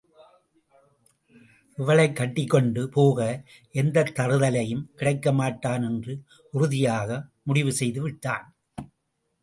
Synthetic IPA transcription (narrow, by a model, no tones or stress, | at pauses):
ɪʋɐɭɐɪkːɐʈːɪkːɔɳɖɯpoːɣɐ | ʔɛnd̪ɐt̪ːɐɾɯðɐlɐjɯmkɪɽɐɪkːɐmaːʈːaːnɛndrɯ | ʊɾʊðɪjaːɣɐmʊɽɪʋɯsɛjðɯʋɪʈːa̰ːn